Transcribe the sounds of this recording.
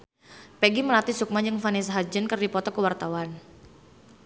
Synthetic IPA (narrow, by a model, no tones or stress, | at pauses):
peɡiməlat̪isuk̚maɲd͡ʒəŋfanisaɦad͡ʒənkərdipɔt̪ɔkəwart̪awan